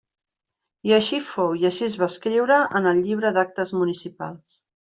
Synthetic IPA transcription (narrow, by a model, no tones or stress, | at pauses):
iəʃifowjəʃizβaskɾiwɾəʔənəlˠʎiβ̞ɾəd̪ak̚t̪əzmunisipa̰lˠs